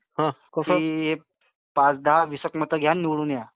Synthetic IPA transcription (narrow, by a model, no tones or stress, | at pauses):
ɦãkoəɦe | pãt͡sd̪aɦaʋisəkmət̪əɡʱjanːiʋɽuːnja